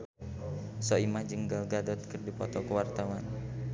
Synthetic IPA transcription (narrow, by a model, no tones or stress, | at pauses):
sɔimad͡ʒəŋɡalɡadɔt̪̚kərdipɔt̪ɔkəwart̪awan